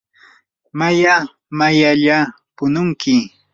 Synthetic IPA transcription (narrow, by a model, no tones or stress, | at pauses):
maja | majaʎa | pʊnʊŋkɪ